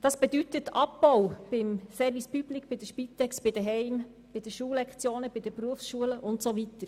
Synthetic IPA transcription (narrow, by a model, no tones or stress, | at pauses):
d̥ɑsb̥ɛd̪ytətɑpːɔwb̥ɪmfɛɾʋispyblikb̥ɪd̥̪əʃpit̪ːɛksb̥ɪd̥̪əɦɛɪm | b̥ɪd̥̪əʃuːlɛkχt͡sjoːnəbɪd̥̪əpɾuəfsʃuələʔʊntsoʋit̪əɾ